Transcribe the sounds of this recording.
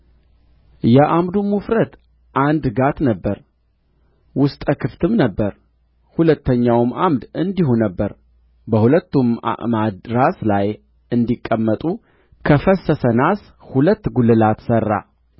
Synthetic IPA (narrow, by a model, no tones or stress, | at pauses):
jɛʔamd̪umːufɾət̪ | ʔand̪ɡat̪nəbːəɾ | wʊst̪ʼəkʰɨft̪ʰɨmnəbːəɾ | hulət̪ʰːəɲːawɨmamd̪ɨnd̪iɦonəbːəɾ | bəhulət̪ːuma̰ʔmad̪ɾaslaj | ɨnd̪ikʼːəmːət̪ʼu | kʰəfəsəsənas | hulət̪ːɡulːɨlat̪sərːa̰